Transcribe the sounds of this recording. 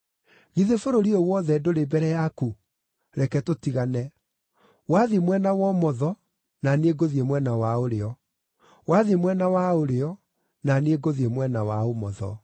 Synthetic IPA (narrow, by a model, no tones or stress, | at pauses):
ɣiðefoɾoɾiowɔðɛdoɾebɛɾɛjaku | ɾɛkɛtotiɣanɛ | waðimwɛnawɔmɔðɔ | naneɡoðiemwɛnawaoɾeɔ | waðimwɛnawaoɾeɔ | naneeɡoðiemwɛnawaomɔðɔ̰